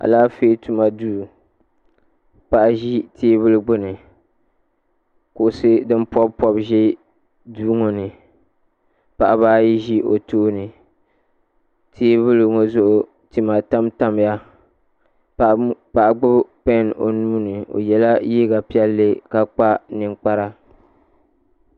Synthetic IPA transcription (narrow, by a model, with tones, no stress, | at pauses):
a̰˨laː˦feː˦tu˨ma˨duː˦˨ | pa˨ʔa˨ʒi˦tʰeː˦βɨ˦lɨ˦ɡ͡bʊ˦nɨ˨ | kʊ˨ʔʊ˨sɨ˦dɨ˦npɔ˦bpɔ˦bʒɛ˦ | duː˦ŋo˨nɨ˨ | pa˨ʔa˨baː˦ji˦ʒi˦ʔo̰˨toː˦nɨ˨ | tʰeː˦βʊ˦lŋo˦zʊ˦ʔʊ˨ | ti˨ma˨ta˦mta˦m˨ja˦ | pa˨ʔa˨ɡ͡bʊ˦bpɛ˦no˨nuː˦nɨ˨o̰˨jɛ˨la˦jiː˦ɡa˨pi˦ɛ˦lːɨ˦ka˦k͡pa˦nɨ˨k͡pa˦ɾa˦